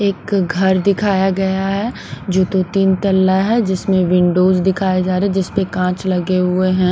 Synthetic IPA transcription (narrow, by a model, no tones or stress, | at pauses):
eːkɡʱɐɾd̪ɪkʰaːjaɡɐjaɦɛ | d͡ʒoːt̪ot̪iːnt̪ɐlːaɦɛd͡ʒɪsmẽʋɪ̃ɳɖoːzd̪ɪkʰaːed͡ʒaːɾeɛ̃d͡ʒɪspekãːt͡ʃlɐɡeɦʊeɦɛ̃